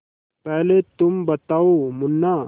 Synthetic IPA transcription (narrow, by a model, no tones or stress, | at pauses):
pɛɦlet̪umbət̪aumunːa